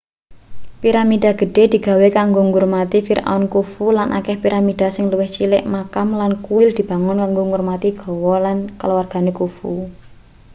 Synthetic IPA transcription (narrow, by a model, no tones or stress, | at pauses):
piɾamid̥a̤ɡ̥ə̤ɖ̥e̤d̪̥i̤ɡ̥ä̤wekaŋɡoŋʊrmat̪ifiɾa̰nkufulanʔa̰kɛhpiɾamid̥a̤sɪŋluwɪht͡ʃilɪʔmakamlankuwɪld̪̥i̤b̥a̤ŋʊnkaŋɡoŋʊrmat̪iɡ̥ɔ̤wɔlankəlwarɡ̥a̤nekufu